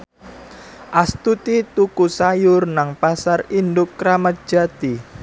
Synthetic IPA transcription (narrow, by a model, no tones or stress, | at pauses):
ʔast̪ut̪it̪ukusajʊrnaŋpasarind̪ʊkːɾamat̪̚d̥ʒ̥at̪i